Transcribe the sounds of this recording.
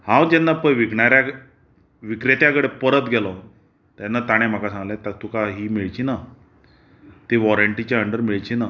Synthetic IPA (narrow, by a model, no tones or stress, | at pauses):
hãwd͡ʑɛnːapəʋiɡɳaɾjak | ʋikɾet̪jakəɽepəɾət̪ɡʱɛlɔ | t̪anːat̪aɽ̃em̤akasãŋɡlɛ̃t̪at̪ukaɦiːmiɭt͡ɕina | t̪eʋɔɾəɳʈit͡ɕaəɳɖəɾmiɭt͡ɕina